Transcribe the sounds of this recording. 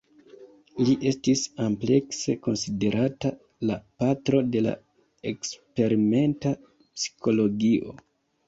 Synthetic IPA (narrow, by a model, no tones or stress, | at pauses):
liʔe̞stisample̞kse̞ko̞nside̞ɾʔata | lapatɾo̞de̞la̰ | ekspe̞ɾime̞nta | psi̥kʰo̞lo̞ɡiʔo̞̰